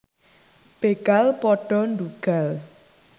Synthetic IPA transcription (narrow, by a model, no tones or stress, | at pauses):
b̥eɡ̥alpɔɖ̥ɔ̤nduɡ̥al